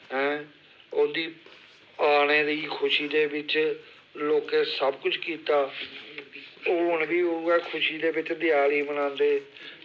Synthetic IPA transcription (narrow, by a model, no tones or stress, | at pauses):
ɦɛ̃ː | od̪iː | aːñeːɾəiːkʰʊʃiːd̪eːbɪt͡ʃ | loːkẽːsəbkʊt͡ʃʰkiːt̪aː | oːʊnbiːɦoũːɡɛːkʰʊʃiːd̪eːbɪt͡ʃd̪ɪjaːliːmənãːnd̪eː